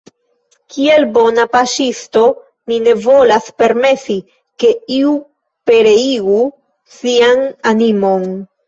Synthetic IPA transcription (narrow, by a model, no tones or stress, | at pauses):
kʰie̞lbo̞napaʃisto̞ | nine̞vo̞laspe̞ɾme̞si | ke̞iu | pe̞ɾe̞iɡu | siananimo̞n